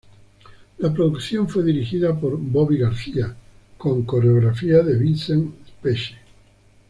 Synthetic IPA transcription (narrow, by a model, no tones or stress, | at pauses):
lapɾoðukθjoɱfweðiɾixiðapoɾboβiɣaɾθia | kõ̞ŋkoɾeoɣɾafiaðeβinseŋspeʃe̥